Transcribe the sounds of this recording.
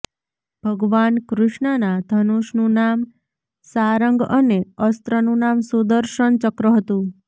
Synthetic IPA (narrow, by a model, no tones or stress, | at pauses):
b̥ʱəɡʋankɾɪʃɳənad̪ʱənuʃnũnam | saɾəŋɡəneəst̪ɾənũnamsud̪əɾʃəɳt͡ʃəkɾəɦət̪ũ